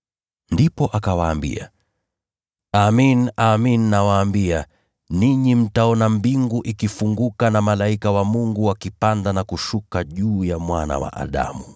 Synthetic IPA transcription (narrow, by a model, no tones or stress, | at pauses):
ndipɔʔakawaːmbḭa̰ | aminaminːawaːmbia | niɲim̩taɔnambiŋɡuʔikifuŋɡukanamalaikawamuŋɡuwakipandanakuʃukaʄuːjamwana̰wa̰ʔa̰ɗa̰mu